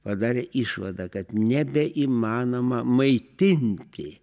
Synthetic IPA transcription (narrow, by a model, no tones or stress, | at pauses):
pɐd̪ɑːɾʲɛʔɪʃʋɐd̪ɐkɐt̪nʲɛbʲɛʔimɑːnomɐmɐɪt̪ʲɪnʲt̪ʲɪ